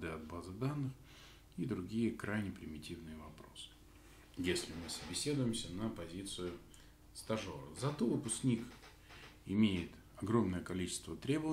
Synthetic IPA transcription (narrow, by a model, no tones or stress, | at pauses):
d̪ɨɐd̪̚bazɨd̪anːɨx | id̪ɾʊɡʲijəkɾʔajnʲɪpɾʲɪmʲɪtʲivnɨjəvɐpɾo̞sɨ̥ | jesʲlʲɪmɨsəbʲɪsʲe̞d̪ʊjɪmsʲənəpɐzʲit̪sɨjʊ | st̪ɐʐoɾə̰zɐt̪uvɨpʊsknʲik | ɪmʲejɪt̪ | ɐɡɾo̞mnəjəkɐlʲit͡ɕɪ̥st̪vət̪ɾʲe̞bəvə